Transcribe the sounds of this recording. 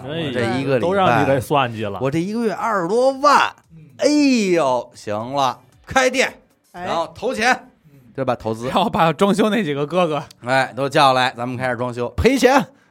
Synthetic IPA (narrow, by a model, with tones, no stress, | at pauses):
ʈ͡ʂɤ˥˩i˧˥ɡə˧lit̪o˥ʊɻɑ˥˩ŋ˥˩i˧˥le˧˥ɪsa˥˧˩nt͡ɕy˥˩lə̰˧wɔ˨˩ʈ͡ʂɤ˥˩i˧˥ɡə˧ɥɛ˥˧˩ʔɐ˞˥˩lwɔ˥wa˥˩n | e˥ɪjo˨˩ʊɕi˧˥ŋlə˧ | kʰa˥ɪt̪jɛ˥˩n | a˧˥nxo˥˩ʊt̪ʰo˧˥ʊt͡ɕʰjɛ˧˥n | t̪we˥˩ɪbɐ˩t̪ʰo˧˥ʊt͡sɹ̩˥˧˩pa˨˩˧ʈ͡ʂwɑ˥ŋɕ̬jo˥ʊne˥˩ɪt͡ɕi˨˩ɡə˦kɤ˥˧ɡə˨˩e˥˩ɪt̪o˥t͡ɕjɑ˥˩ʊla˧˥ɪt͡sa˧˥mə˨nkʰa˥ɪʂ̩˨˩ʈ͡ʂwɑ˥ŋɕjo˥ʊpʰe˧˥ɪt͡ɕʰjɛ˧˥n